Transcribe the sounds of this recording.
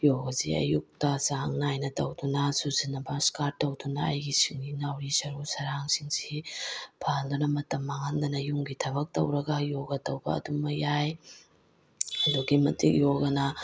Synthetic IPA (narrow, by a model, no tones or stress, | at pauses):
joɡɐziɐ̰juk̚tɐzaŋnajnɐtɐwdunɐsuzinːɐbɐskaɾ̚tːɐwdunɐɐ̰jɡisiŋninawɾisɐɾusɐɾaŋsiŋsipʰandunɐmɐtɐmːɐŋandɐnɐjuŋɡitʰɐbɐk̚tɐ̰wɾɐɡɐjoɡɐtɐwbɐ̰ːdumɐjaj | ɐduɡimɐtik̚joɡɐnɐ